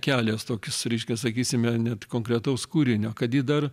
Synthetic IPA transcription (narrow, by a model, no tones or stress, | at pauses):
kʲæːlʲeːst̪oːkʲɪsɾʲɛɪʃʲkʲɛsɐkʲiːsʲɪmʲɛnʲɛt̪koːŋkɾʲɛt̪ɐʊskuːɾʲɪnʲoːkɐt̪jid̪ɐr